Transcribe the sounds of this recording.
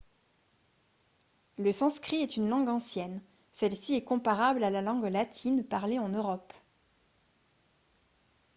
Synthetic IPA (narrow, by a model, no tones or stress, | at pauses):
ləsɑ̃skχiɛt̪ynlɑ̃ɡɑ̃sjɛn | sɛlsiɛkɔ̃paʁablalalɑ̃ɡlat̪ʰinpaʁleɑ̃nøʁɔp